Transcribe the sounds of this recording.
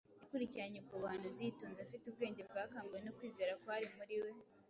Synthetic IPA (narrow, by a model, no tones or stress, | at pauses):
nikuɾiciɾaɲub̚ɡoβahanuzituːnzafitub̚ɡe̞ːɲɟe̞b̚ɡaːkaːmɡuwenokwiːze̞ɾakoaɾimuɾiwe̞